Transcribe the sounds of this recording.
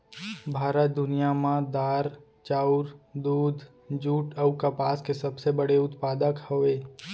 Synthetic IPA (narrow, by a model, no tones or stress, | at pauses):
bʱaːɾət̪̚d̪ʊnijamãd̪aːɾ | t͡ʃaːʊɾd̪uːd̪ʱ | d͡ʒuːʈəwkapaːskesɐbsebəɽeʊt̪paːd̪əkhoeː